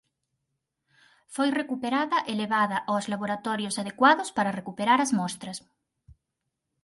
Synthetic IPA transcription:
fojrekupeɾaðɐʔeleβaðɐʔawzlaβoɾat̪ɔɾjʊsaðekwaðʊspaɾɐrekupeɾaɾɐzmɔst̪ɾɐs

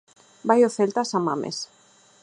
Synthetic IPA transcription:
bajoθelt̪asama̰mḛs

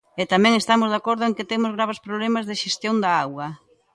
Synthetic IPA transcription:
et̪amɛ̃ŋest̪amʊzðakoɾðʊeŋkɪt̪emʊzɣɾaβ̞espɾoβlemazðeʃest̪joŋd̪ɐawɣɐ

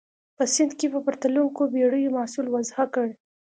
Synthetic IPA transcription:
pəsɪnd̪kepəpaɾt̪aluŋkobeɽəjomɑsulwazhakəɽ

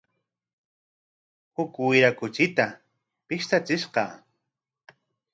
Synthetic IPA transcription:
hʊkwɪɾakʊt͡ʃɪt̪a | pɪʃt̪at͡sɪʃqɑ̰

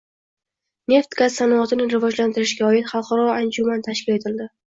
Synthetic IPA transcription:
ne̞ft̪ɡassanɒɒt̪ɪnɪɾɪvɒd͡ʒlant̪ɪɾɪʃɡʲaɒɪt̪χɑlˠqʰɑɾɒand͡ʒumant̪ʰaʃkʲɪle̞t̪ʰɪld̪ɪ

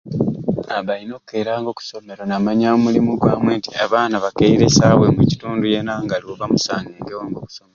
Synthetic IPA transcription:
aβalino̞ːkke̞ːɾaːŋɡo̞ːku̥so̞me̞ɾonamaɲaomulimuɡwaːmweːntia̰βaːnaβakeiɾesawemuci̥tuːnduje̞naŋɡaliwoβamusaːŋɡeːŋɡewaːŋɡo̞ku̥someɾo

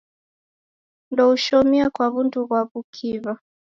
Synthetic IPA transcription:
ndɔuʃɔmiakwaβuntuβwaβukʰiβa

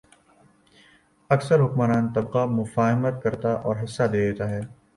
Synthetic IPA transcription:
ɐksəɾɦʊkmanaːnt̪ɐbqamʊfaːɦɪmət̪̚kɐɾt̪aʔɔːɾɦɪsːad̪eːd̪eːt̪aɦɛː

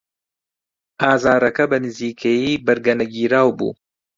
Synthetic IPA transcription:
ʔaːzaːɾɐkɐbɐnɨziːkʰejiːbɐɾɡɐnɐɡiːɾaːwbṵː

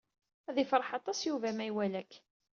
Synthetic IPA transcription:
æðifɾˤɑħɑt̪ˤɑsjuvæmæjwælækː

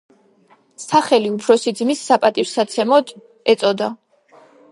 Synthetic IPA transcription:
saχɛliupʰɾɔsid̪zmisːapʼat̪ʼiɾsat̪sʰɛmɔd̪ | ɛt̪sʼɔd̪a

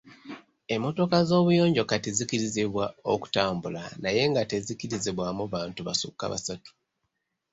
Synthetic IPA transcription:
e̞mːo̞to̞kazo̞ːβujo̞ːɲɟo̞katezikiɾiziβwao̞ku̥taːmbulanaje̞ŋɡate̞zikiɾiziβwamuβaːntuβa̰sṵkːa̰βa̰satu̥

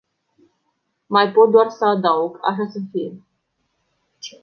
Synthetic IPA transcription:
majpot̪̚d̪oarsaːd̪awɡa̰ʃ̬asənfie

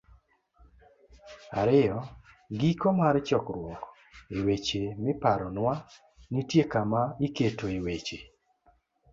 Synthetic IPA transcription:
aɾɪjɔ | ɡikomaɾt͡ʃɔkɾwɔk | iwet͡ʃemɪpaɾɔnwa | nitjekamaiketoiwet͡ʃe

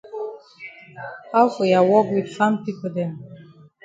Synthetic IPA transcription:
hafojawɔkwid̥sãmpipodɛ̃m

